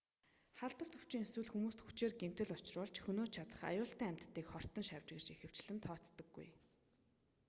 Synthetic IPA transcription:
χaɮt̪ə̆r̥t̪ɵ̥w̥t͡ɕiːŋeswɘ̆ɮxumuːst̪xut͡ɕeːrɡem̥t̪ɘ̆ɮʊt͡ɕɪ̆rʊːɮt͡ɕxɵnoːt͡ɕʰat̪ə̥̆χa̰jʊːɬt̪æːæm̥ʲt̪ʰːiːkχɔr̥t̪ə̆ŋʃawʲt͡ɕɡɘ̆rt͡ɕixɘ̆w̥t͡ɕɮɘ̆nt̪ʰɔːt͡st̪ɞ̆ɡːṵj

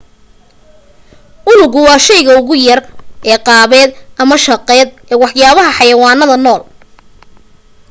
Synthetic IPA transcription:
ʔʊnʊɣʊwɑːʃɛjɣɐʊɣʊjɐrʔɛːqɑːβɛːd̪ʔɐmɐʃɑqɛːd̪ʔɛːwɑħjaːβɐɦɐħɑjɐwɑːnɐðɐnɔːl

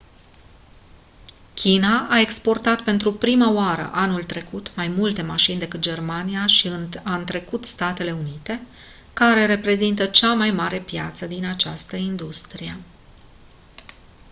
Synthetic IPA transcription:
kʲinaʔae̞kspo̞rt̪at̪pe̞nt̪ɾupɾimaoaɾə̰ʔanult̪ɾe̞kut̪majmult̪e̞maʃind̪e̞kɨt̪̚d͡ʒe̞rmaniaʃiɨnant̪ɾe̞kut̪st̪at̪e̞le̞unit̪e̞ | kaɾe̞ɾe̞pɾe̞zint̪ət͡ʃamajmaɾe̞pja̰t̪səd̪inat͡ʃast̪əind̪ust̪ɾije

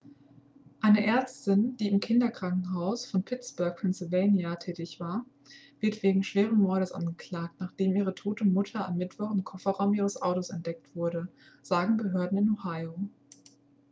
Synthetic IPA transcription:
ʔaɪnəʔɛɐt͡stɪnd̥iːɪmkʰɪndɐkʁ̥aŋkŋ̩ɦaʊsfɔnpʰɪt͡sb̥œɐk̚pʰɛnsɪlveːnjatʰɛːtɪçv̥aːɐ | vɪɐtv̥eːɡŋ̩ʃv̥eːʁən̩mɔɐɾəsʔa̰nɡəkl̥aːk̚tnaːχd̥eːmiːʁ̞ətʰoːtəmʊtʰɐamːɪtv̥ɔχɪnkʰɔfɐʁaʊmʔiːʁəsʔaʊtoːsɛntd̥ɛk̚tv̥ʊɐɾə | z̥aːɡŋ̩bəɦøɐdn̩ɪnhohaɪo

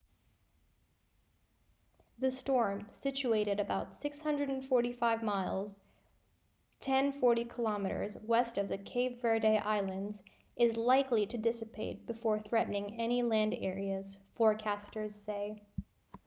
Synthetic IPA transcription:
ðɨstɔɹmsɪt͡ʃʉeɪɾɨɾɨbaʊtsɪkshʌ̃ndɹɨɾ̃n̩fɔɹɾifaɪvmaɪlˠz̥ | tʰɛ̃nfɔɹɾikʰəlɑmɨɾə̰˞zwɛstʌvðɨkʰeɪvvɛɹdeɪʔaɪlˠɨ̃ndz | ʔɨzlaɪkliɾɨdɪsɨpʰeɪt̚b̥ɨfɔɹθɹɛʔn̩ɪ̃ŋɛnilæ̃ndɛ̰ɹiɨz̥fɔɹkʰæstə˞z̥seɪ

